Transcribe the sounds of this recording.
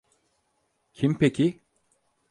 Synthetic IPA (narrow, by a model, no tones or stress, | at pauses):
cʰimpʰecʰi